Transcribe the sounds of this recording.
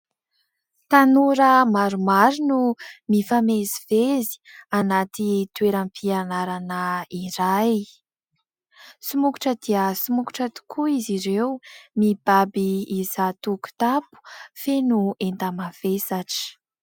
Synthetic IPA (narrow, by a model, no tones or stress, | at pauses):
t̪anuɾəmaɾumaɾinumifamezivezi̥anat̪it̪weɾampʰianaɾanəiɾaj | sumuku̥ʈ͡ʂəd̪̥iəsumuku̥ʈ͡ʂat̪u̥kʰuiziɾewmib̥abiizat̪uku̥t̪apu̥fenuent̪amavesaʈ͡ʂi̥